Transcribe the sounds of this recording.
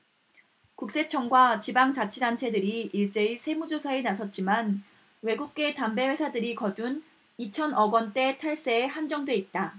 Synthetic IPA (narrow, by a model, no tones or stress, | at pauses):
kuk̚s͈e̞t͡ɕʰʌŋɡwat͡ɕibaŋt͡ɕat͡ɕʰidant͡ɕʰe̞dɯɾiiɭt͡ɕ͈e̞isʰe̞mud͡ʑosʰaenasʰʌt̚t͡ɕ͈iman | we̞ɡuk̚k͈e̞tambe̞we̞sʰadɯɾikʌdun | it͡ɕʰʌnʌɡwʌnt͈e̞tʰaɭs͈eːhand͡ʑʌŋdwe̞it̚t͈a